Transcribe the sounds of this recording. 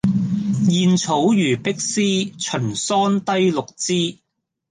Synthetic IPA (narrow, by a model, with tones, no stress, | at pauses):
jiː˨˧nt͡sʰo˨˥wjyː˨˩pɪ˥k̚siː˥t͡ʃʰɵ˨˩nsɔː˥nt̪ɐ˥jlʊ˨k̚t͡siː˥